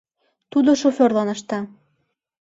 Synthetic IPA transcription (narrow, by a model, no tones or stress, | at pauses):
t̪ud̪oʃofʲørlˠɑnɤ̆ʃt̪ɑ